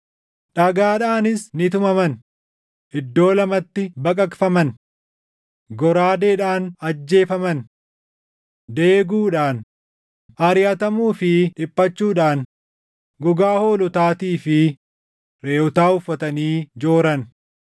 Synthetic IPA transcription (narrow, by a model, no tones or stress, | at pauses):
ᶑɐɡaːᶑaːnɪsnɪt̪̬ʊmɐmɐn | ʔɪd̪ːo̞ːlɐmɐt̪ːɪbɐkʼɐkfɐmɐn | ɡɔɾaːd̪eːᶑaːnɐd͡ʒːe̞ːfɐmɐn | d̪e̞ːɡuːᶑaːn | ɐɾɪjɐt̪ɐmuːfɪᶑɪpːɐt͡ʃːuːᶑaːn | ɡʊɡaːho̞ːlʊt̪aːt̪iːfɪ | ɾe̞ːʊt̪aːʊfːɐt̪ɐniːd͡ʒo̞ːɾɐn